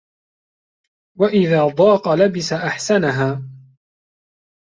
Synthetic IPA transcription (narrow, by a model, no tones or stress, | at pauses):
waʔɪðaːd̪ˤɑːqɑlabɪsaʔaħsanaɦaː